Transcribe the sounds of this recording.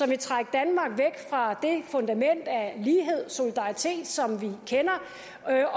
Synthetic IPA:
ɒ̽ʋit͡sʰʁɑɡ̥̚d̥ænmɑ̈ːɡ̥ʋeɡ̥fʁɑ̈d̥e̝fɔ̽nd̥æmen̰d̥æliːɦe̝ð̞̰ˠso̝lid̥ɑ̈it͡sʰe̝̰ːd̥sɒ̽mʋikʰenɐ

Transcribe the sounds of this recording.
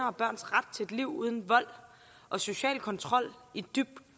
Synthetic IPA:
ɐɒ̽b̥ɶɐ̰nsʁad̥̚t͡sʰe̝ed̥liʊ̰uð̞ˠən̩ʋɒ̽l̰ | ʔɒ̽so̝ɕɛ̰ːlkʰɒ̽nt͡sʰʁɒ̽l̰id̥yb̥̚d̥

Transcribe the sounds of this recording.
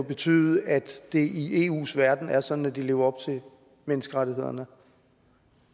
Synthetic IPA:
b̥e̝t͡sʰy̰ːð̩ˠæd̥d̥e̝ʔiʔe̝̰ːṵːsʋæɐd̥n̩æɐsɒ̽d̥n̩æd̥ile̝ːʊɐɒ̽b̥̚t͡sʰe̝l | menəsɡ̥əʁaɾiɦe̝ð̞̰ˠɐnə

